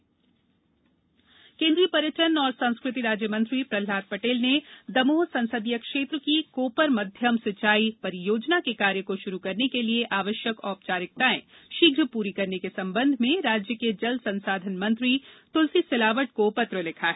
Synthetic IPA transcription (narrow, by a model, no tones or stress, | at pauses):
kẽːnd̪ɾipɐɾjəʈənɔːɾsãñskɾɪt̪iɾaːd͡ʒjəmə̃nt̪ɾipɾɐl̤aːt̪̚pɐʈeːlned̪ɐmoːsɐ̃nsəd̪ijəkʃeːt̪ɾəkikoːpəɾmɐd̪ʱjəmsɪt͡ʃaːipɐɾijoːd͡ʒnakekaːɾjəkoʃʊɾukɐɾnekelieʔaːʋəʃjəkɔːp̚t͡ʃaːɾɪk̚t̪aːḛ̃ | ʃiɡʱɾəpuːɾikɐɾnekesɐ̃mbə̃nd̪ʱmẽɾaːd͡ʒjəked͡ʒɐlsɐ̃nsaːd̪ʱənmɐ̃nt̪ɾit̪ʊlsisɪlaːʋəʈ̚kopɐt̪ɾəlɪkʰaɦɛː